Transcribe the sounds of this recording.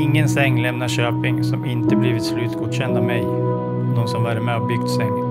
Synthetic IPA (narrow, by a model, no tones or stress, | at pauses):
ɪŋːənsɛŋːlɛmnaɕøːpɪŋsɔmɪnt̪əbliːvɪt̪slʉ̟ːt̪ɡuːd̪ɕɛnd̪amɛj | d̪ɔmsɔmvæɾmehɑbʏɡ̥̚t̪sɛŋː